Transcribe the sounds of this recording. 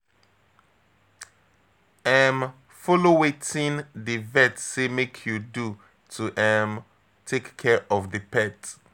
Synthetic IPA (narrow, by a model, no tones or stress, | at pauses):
ãm | fɔlowetʰĩnðivɛtsemekʰjudu | tʰuʔãm | tʰekkʰːɛɹʔɔvðəpʰɛt